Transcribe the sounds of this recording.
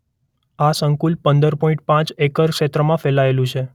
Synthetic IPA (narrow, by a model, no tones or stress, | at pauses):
asəŋkulpənd̪əɾpɔĩɳʈ̚pãt͡ʃekəɾʃet̪ɾəmãfɛlaelũt͡ʃʰe